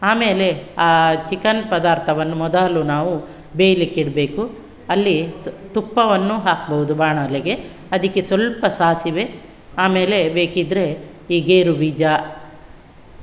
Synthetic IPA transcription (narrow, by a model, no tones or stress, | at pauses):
aːmeːle̞aːt͡ʃikɐnpɐd̪aːɾt̪ʰɐʋɐnːumɔd̪aːlunaːʋu | beːjlikːiɽbe̞ːku | ɐlːit̪upːɐʋɐnːuɦaːkbɐʋud̪ubaːɳɐːleɡe̞ | ɐd̪ikːesʋɐlpɐsaːsiʋe̞ | aːme̞ːle̞be̞ːkid̪ɾe̞ | iːɡeːɾubiːd͡ʒa